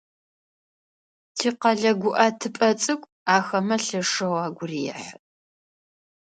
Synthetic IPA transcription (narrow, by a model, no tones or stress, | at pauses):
tʰiːqɐɮɐɡʷʊʔɐtʰɨpʼɐt͡sʼɨkʷʼ | aːxɐmɐɬɨʂɨwaːɡʷʊrijɛ̰ħə